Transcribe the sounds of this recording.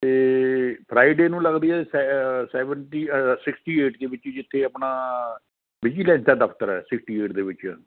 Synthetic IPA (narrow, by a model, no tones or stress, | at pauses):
t̪eːpʰɾaːiɖeːnũːləɡd̪iːɛːsɛsɛːʋəɳʈiːsɪksʈiːeːʈd̪eːʋɪt͡ʃd͡ʒɪt̪ʰːeːəpnaː | bɪd͡ʒiːlɛ̃ːnt̪aːd̪əkʰt̪əɾɛ̰ːsɪksʈiːeːʈd̪eːʋɪt͡ʃː